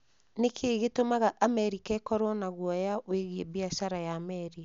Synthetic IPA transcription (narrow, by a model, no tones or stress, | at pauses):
nekʰeːɣetomaɣaʔamɛɾikɛkɔɾwɔnaɣwɔjaweɣiebiaʃaɾajaːmɛɾi